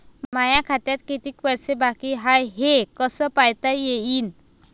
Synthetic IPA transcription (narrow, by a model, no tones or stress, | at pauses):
mmajãkʰat̪jat̪kit̪iːkpəjsebakiɦajɦekəsəpajt̪ajeiːn